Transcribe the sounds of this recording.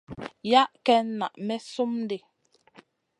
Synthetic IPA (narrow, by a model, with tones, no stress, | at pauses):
ja˦ʔkɛ˦n˦na˨ʔmɛ˦so˦mn˦de˨